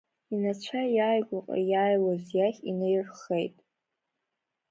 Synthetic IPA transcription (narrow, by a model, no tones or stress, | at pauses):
inat͡ɕʷʰajaːjɡʷaqʼa̰jaːjwazjaχʲinejrχejtʼ